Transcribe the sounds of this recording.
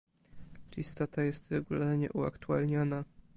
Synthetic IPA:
lʲist̪ɔt̪ajɛst̪ɾɛɡulaɾɲɛ̰ʔua̰kt̪ualɲɔna

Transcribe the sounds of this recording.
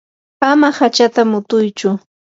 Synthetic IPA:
amahat͡ʃat̪amʊt̪ʊjt͡ʃʊ

